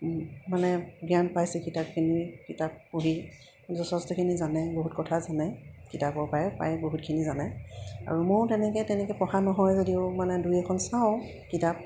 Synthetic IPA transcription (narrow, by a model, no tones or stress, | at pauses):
manɛɡianpajsɛkitap̚kʰinikitap̚ːuɦi | zɔsɔstɔkʰinizanɛboɦut̚kɔtʰazanɛkitapɔɹpajɛpa̰jboɦut̚kʰinizanɛa̰ɹumoɹtɛnɛkɛtɛnɛkɛpɔxanɔɦɔjzodiʊmanɛdujɛkʰɔnsãʊ̃ | kitap̚